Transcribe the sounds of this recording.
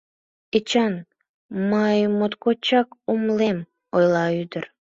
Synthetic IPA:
et͡ɕɑn | mɑjmot̪kot͡ɕɑkumlem | ojlɑyd̪ər

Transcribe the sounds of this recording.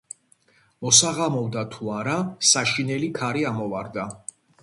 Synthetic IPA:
mɔsaʁamɔvd̪at̪ʰuaɾasaʃinɛlikʰaɾiamɔvaɾd̪a

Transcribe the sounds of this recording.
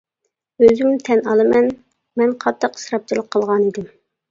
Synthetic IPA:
øzymt̪ʰɛnɑlˠɨmɛn | mɛnqʰɑt̪ːɑqə̥sɾɑp̚t͡ʃʰilˠəqʰːəlˠʁɑnid̪ɪm

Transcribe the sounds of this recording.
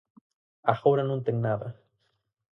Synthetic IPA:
axawɾanũnt̪eŋnaða

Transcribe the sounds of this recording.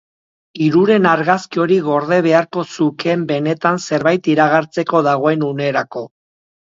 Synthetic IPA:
iɾuɾe̞naɾɣaskio̞ɾiɣo̞ɾð̞e̞β̞e̞aɾko̞suke̞mbe̞ne̞t̪anse̞ɾβajt̪iɾaɣaɾt͡se̞ko̞ðaɣo̞enune̞ɾako̞

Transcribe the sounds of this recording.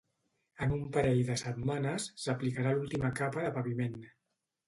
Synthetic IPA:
ənumpəɾɛjðəsət̪manəsːəplikəɾalulˠt̪iməkapəðəpəβimen

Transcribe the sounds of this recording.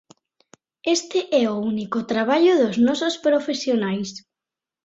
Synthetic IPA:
est̪ɪʔɛounikʊt̪ɾaβaʎʊðʊznɔsospɾofesjonajs

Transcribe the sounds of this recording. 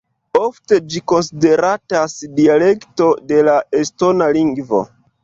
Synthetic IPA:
o̞fte̞d͡ʒiko̞nside̞ɾatasdiale̞kto̞de̞lae̞sto̞naliŋɡvo̞̰

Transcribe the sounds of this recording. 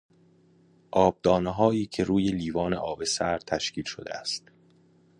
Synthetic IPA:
ʔɒːb̚d̪ɒːneɦɒːiːcʰe̞ɾuːje̞liːvɒːneʔɒːbe̞sæɾt̪ʰæʃciːlʃo̰d̪ḛæst̪

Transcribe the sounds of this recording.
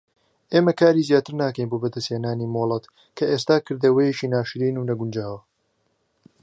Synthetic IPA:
ʔeːmɐkaːɾiːzijaːt̪ɨɾnaːkɐjnboːbɐd̪ɐsheːnaːniːmoːlˠɐt̪ | kʰɐʔeːst̪aːkɨɾd̪ɐwɐjet͡ʃiːnaːʃɾiːnuːnɐɡund͡ʒaːwɐ

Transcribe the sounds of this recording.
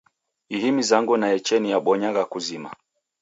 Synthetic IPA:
ihimizaŋɡunaɛt͡ʃɛnijaɓɔɲaɣakuzima̰

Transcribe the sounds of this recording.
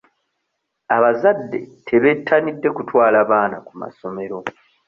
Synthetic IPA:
aβazadːe̞̰tʰe̞βe̞tʰːanidːe̞kutwaːlaβaːnakuma̰so̞me̞ɾo̞

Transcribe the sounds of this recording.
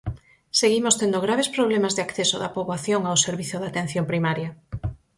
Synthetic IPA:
seɣimost̪end̪oɣɾaβespɾoβlemazðɪakθesoðɐpoβwaθjoŋawseɾβiθjoðat̪ẽn̟θjompɾimaɾjɐ

